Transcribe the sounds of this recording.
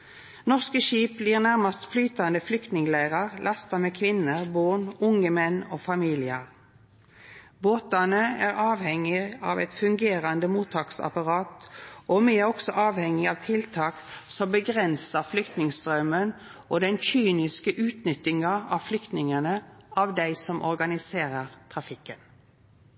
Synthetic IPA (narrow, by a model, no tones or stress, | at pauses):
nɔʁskəʃiːp̚bliːʁnæʁmɑst̪flyːt̪ɑnd̪əflʏkt̪nɪŋlæɪʁɑʁlʔɑst̪ɑmeːkʰʋɪnːəʁboːnʊŋəmɛnːoːfɑmiːlɪəʁ | boːt̪ɑnəæːʁɑːʋhɛŋɪɑ̰ːʋɛɪt̪fʉŋɡeːʁɑnd̪əmuːt̪ʰɑːksɑ̰pɑʁɑːt̪ʔomɛæɾɔksɔʔɑːʋhɛŋɪɑʋt̪ʰɪlt̪ʰɑːksɔmbəɡʁɛnsəʁflʏkt̪nɪŋst̪ʁœmən | ʔod̪ɛnçyːnɪskəʔʉːt̪nʏt̪ɪŋɑɑ̰ʋflʏkt̪nɪŋənəʔɑʋd̪æɪsɔmʔɔʁɡɑnɪseːʁəʁt̪ʰʁɑfɪkːən